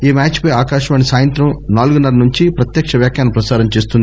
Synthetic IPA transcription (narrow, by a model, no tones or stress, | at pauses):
iːmaːt͡ʃpɐjaːkaːʂɐʋaːnisaːjɐnt̪ɾɐmnaːluɡunɐɾɐnuɲt͡ʃipɾɐt̪jɐkʂɐʋjaːkjaːnɐpɾɐsaːɾɐmt͡ʃeːs̬t̪und̪i